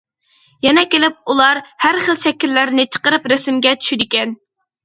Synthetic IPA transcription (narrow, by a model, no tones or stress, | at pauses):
jɛnɛkʲelɪp̚ulˠɑɾhæɾχəlˠʃɛkʲːilːæɾnɪt͡ʃʰə̥qəɾɨpɾɛsɪmɡʲɛt͡ʃʰy̥ʃid̪ɪkʲɛn